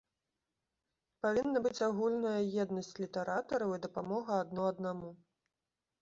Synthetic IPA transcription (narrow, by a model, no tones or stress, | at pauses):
pavʲinːɐbɨt͡sʲaɣulʲnɐjɐjɛd̪nɐsʲt͡sʲlʲit̪ɛɾat̪ɐɾɐwid̪ɐpamɔɣɐːd̪nɔɐd̪namu